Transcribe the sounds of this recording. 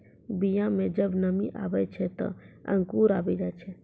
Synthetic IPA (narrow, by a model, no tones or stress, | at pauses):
bijãmẽd͡ʒəbnəmiʔaʋet͡ʃʰet̪ɔ̰ə̰̃ŋkuːɾaʋid͡ʒat͡ʃʰe